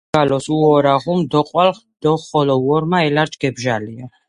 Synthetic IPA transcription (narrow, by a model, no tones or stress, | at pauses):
alɔsuɔɾaʁumd̪ɔqʼwal | d̪̥ɔχɔlɔwɔɾmaɛlaɾt͡ʃʰʼɡ̥ɛbʒalia